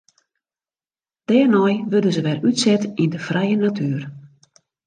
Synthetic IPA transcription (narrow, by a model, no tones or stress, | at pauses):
d̥ɛːrnɔjʋødəzəʋɛrytsɛtindəfrɛjənatʰyːr